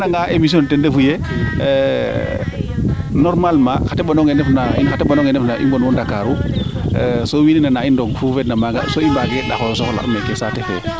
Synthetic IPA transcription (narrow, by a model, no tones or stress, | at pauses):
naŋɡaʔemis̬iɔntɛndefuje | nɔɾmalmaxatɛɓanɔŋɡenɛfnainxatɛɓanɔŋɛnɛfnaʔḭmbɔnwɔndakaɾu | sowininanaindɔŋfufɛdnamaɡa̰soimbaɡɛɗa̰xɔɔsɔxɔla̰ʔumɛkesatɛfɛ̰